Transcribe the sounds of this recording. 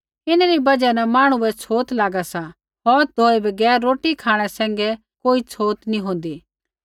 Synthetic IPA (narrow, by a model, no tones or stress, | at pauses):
ɪnɾibɐd͡ʒɛnɛmaːɽ̃ʊɛt͡sʰoːt̪laːɡasa | ɦoːd̪ʱoːebɐɡɛːɾːoːʈikʰaːɽ̃ɛsɛ̃ːŋɡɛ | koːit͡sʰoːt̪nĩɦõːnd̪iː